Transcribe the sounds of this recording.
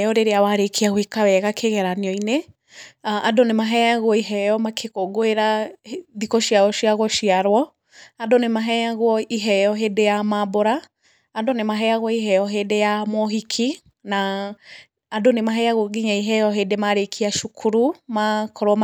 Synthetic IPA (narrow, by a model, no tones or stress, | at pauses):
jɔɾeɾeawaɾekʰiaɣwikawɛɣakʰeɣɛɾaniɔine | ʔadonemaɦɛjaɣwɔiɦɛjɔmakʰekoɡoeɾaðikɔʃiaɔʃiaɣɔʃiaɾwɔ | adonemaɦɛjaɣwɔiɦɛjɔɦeːdejamaboɾaː | donemaɦɛaɣwɔiɦɛjɔɦeːdejamɔɦikʰi | naː | donemaɦɛjaɣoɡiɲaiɦɛjɔɦeːdemaɾekʰiaʃukʰuɾumakʰɔɾwɔma